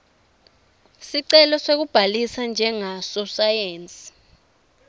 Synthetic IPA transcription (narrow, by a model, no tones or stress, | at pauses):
siǀɛlɔsek̬ub̥ʱalisand͡ʒʱɛŋasɔsajeːnt͡sʼi̥